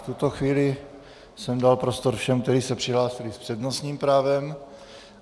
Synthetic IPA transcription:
t̪ut̪oxviːlɪ | sɛmdalpɾost̪oɾfʃɛmk̚t̪ɛɾiːsɛpr̥ɪɦlaːsɪlɪspr̥ɛdnosɲiːmpɾaːvɛm

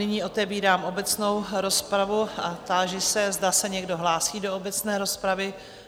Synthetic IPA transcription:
nɪɲiːo̞t̪ɛviːɾaːmo̞bɛt͡sno̞wɾo̞spɾavuat̪aːʒɪsɛzdasɛɲɛɡdo̞ɦlaːsiːdo̞obɛt͡snɛːɾo̞spɾavɪ

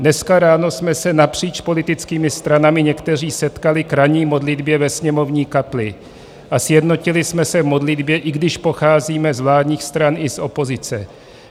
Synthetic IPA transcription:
dnɛskaɾaːno̞smɛsɛnapr̝̥iːt͡ʃpo̞lɪt̪ɪt͡skiːmɪst̪ɾanamɪɲɛkt̪ɛriːsɛt̪kalɪkɾaɲiːmo̞dlɪd̪bjɛvɛsɲɛmo̞vɲiːkaplɪ | ʔasjɛdno̞cɪlɪsmɛsɛvmo̞dlɪd̪bjɛʔɪɡdɪʃpo̞xaːziːmɛzvlaːdɲiːxst̪ɾanʔɪsʔo̞po̞zɪt͡sɛ

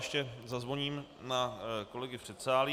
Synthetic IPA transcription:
ʃcɛzazvoɲiːm | nako̞lɛɡɪfr̥ɛt̪saːlɪ

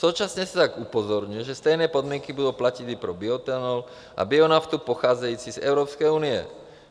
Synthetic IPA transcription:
suːt͡ʃasɲɛsi̥t̪aɡupɔzɔɾɲujɛʒɛst̪ɛjnɛːpɔd̪mɪɛŋkibud̪uːplacid̪ipɾɔbiɔt̪ɛnɔl | ʔa̰biɔnaft̪upɔxaːd͡zɛjuːt͡sizɛ̰ʊɾɔːpskɛjuːniɛ̰

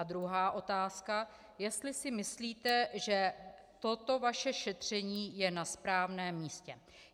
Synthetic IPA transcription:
d̪ɾuɦaːʔo̞t̪aːska | jɛst̪lɪsɪmɪsliːt̪ɛʒɛ | t̪o̞t̪o̞vaʃɛʃɛt̪r̝̥ɛɲiːjɛnaspɾaːvnɛːmːiːscɛ

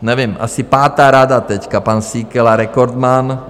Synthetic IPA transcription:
ɲɛʋɪɛmʔa̰sipaːt̪aːɾad̪at̪ɛckapansiːkɛlaɾɛkɔɾd̪man

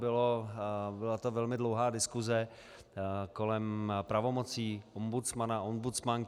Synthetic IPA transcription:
bɪlobɪlat̪ovɛlmɪdlowɦaːdɪskuzɛ | ko̞lɛmpɾavo̞mo̞t͡siːʔombut͡smanaʔombut͡smaŋ

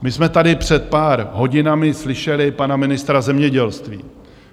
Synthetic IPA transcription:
mɪsmɛt̪adɪpr̝̥ɛt̪̚paːɾɦo̞ɟɪnamɪslɪʃɛlɪpanamɪnɪst̪ɾazɛmɲɛɟɛlst̪vḭː

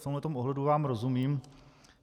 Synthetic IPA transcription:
t̪omɦlɛt̪o̞mʔoɦlɛduvaːmɾozumiːm

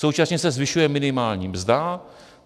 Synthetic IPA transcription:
sowt͡ʃasɲɛsɛzvɪʃujɛmɪnɪmaːlɲiːmzd̪a

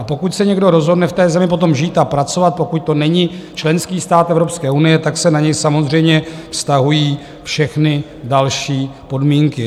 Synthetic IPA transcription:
apo̞kucsɛɲɛɡdo̞ɾo̞zɦo̞dnɛft̪ɛːzɛmɪp̬o̞t̪o̞mʒiːt̪apɾat͡so̞vat̪̚po̞kuc̚t̪o̞nɛɲɪt͡ʃlɛnskiːst̪aːt̪ɛvɾopskɛːunɪjɛt̪aksɛnaɲɛjsamo̞zr̝ɛjmɲɛfst̪aɦujiː | fʃɛxnɪ | dalʃiːpo̞dmiːŋkɪ

